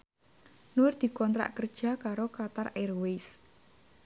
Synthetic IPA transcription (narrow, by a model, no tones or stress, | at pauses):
nurd̪̥i̤kɔnt̪ɾa̰ʔkərd̥ʒ̥ä̤kaɾokat̪arɛrwes